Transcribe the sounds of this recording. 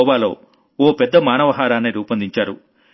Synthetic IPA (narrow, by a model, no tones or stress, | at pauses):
ɔːʋaːlo̞̰ː | ɔːpɛd̪ːɐmaːnɐʋɐɦaːɾaːneːɾuːpɐnd̪iɲt͡ʃaːɾu